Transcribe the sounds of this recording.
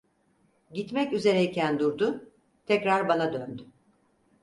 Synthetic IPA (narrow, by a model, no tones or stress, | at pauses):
ɟit̪mɛcyze̞ɾɛicʰænd̪uɾd̪ʊ | t̪ʰɛcɾaɾbanad̪ønd̪y